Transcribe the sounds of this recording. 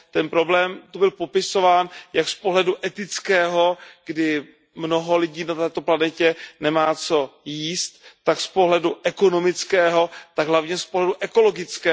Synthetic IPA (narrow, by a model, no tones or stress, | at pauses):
t̪ɛnpɾo̞blɛːmt̪ubɪlpo̞pɪso̞vaːnjakspoɦlɛduʔɛt̪ɪt͡skɛːɦo̞ɡ̥dɪ | mno̞ɦo̞lɪɟiːnat̪ɛːt̪o̞planɛcɛnɛmaːt͡so̞jiːst̪ːakspo̞ɦlɛduʔɛko̞no̞mɪt͡skɛːɦo̞t̪aɡɦlavɲɛspoɦlɛduʔɛko̞lo̞ɡɪt͡skɛː